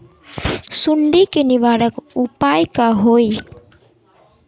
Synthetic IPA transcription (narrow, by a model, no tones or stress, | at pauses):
suɳɖikeniʋaːɽəkupajkaɦoj